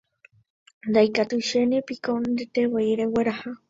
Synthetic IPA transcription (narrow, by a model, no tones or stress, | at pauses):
nd̪ajkat̪uʃenepikond̪ɨt̪ewejɾeweɾaha